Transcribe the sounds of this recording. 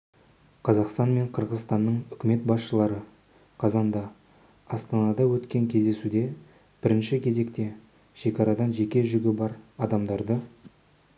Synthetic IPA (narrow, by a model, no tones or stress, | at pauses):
qʰɑzɑqst̪ɑnme̞ɴqʰəɾʁəzst̪ɑnːəɴʏkʲɪme̞t̪bɑsʃəlˠɑɾə | qʰɑzɑnd̪ɑ | ɑst̪ɑnɑd̪ɑwɵt̪kʲe̞ŋkʲʰezd̪e̞sud̪e̞ | b̥ɪɾɪnʃɪkʲʰe̞ze̞kt̪e̞ | ʃe̞kʲɑɾɑd̪ɑnʒe̞kʲe̞ʒʏɡʲɪbɑɾɑd̪ɑmd̪ɑɾd̪ə